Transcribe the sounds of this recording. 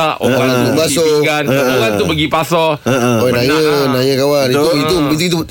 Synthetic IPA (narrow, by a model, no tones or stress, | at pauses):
aʔo̰apasɔkanoɣant̪ubəɡipasɔonãjənajəkawanit̪uit̪ubit̪̬uit̪u